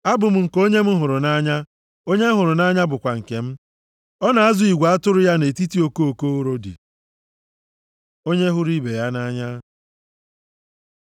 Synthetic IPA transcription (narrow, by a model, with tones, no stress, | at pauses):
a˦bʊ˨m̩˦ŋ̩˨ko˦ɲe˦m̩˦ɦʊ˨ɾʊ˨na˦ɲa˦ | o˦ɲe˦m̩˦ɦʊ˨ɾʊ˨na˦ɲa˦bʊ˨kʷa˨ŋ̩˨ke˨m̩˦ | ɔ˦na˨a˦zʊ˨i˨ɡʷa˨a˦tʊ˦ɾʊ˦ja˦ne˨ti˦ti˦o˨ko˦o˨ko˦o˦ɾo˦dḭ˨ | o˦ɲe˦ɦʊ˦ɾi˦be˨ja˦na˦ɲa˦